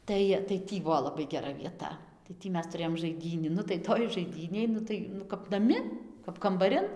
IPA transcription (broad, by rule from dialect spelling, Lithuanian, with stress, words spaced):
ˈtɐɪ tɐɪ ˈtʲiː ˈbuɔ lˠɐˈbɐɪ ɡʲɛˈrɐ ʋʲiɛˈtɐ tɐɪ ˈtʲiː ˈmʲɛs tʊˈrʲeːjoːm ʒɐɪˈdʲiːnʲiː ˈnʊ tɐɪ ˈtoːj ʒɐɪˈdʲiːnʲeːj ˈnʊ tɐɪ nʊ kɐp nɐˈmʲɪ kɐp kɐmbɐˈrʲɪn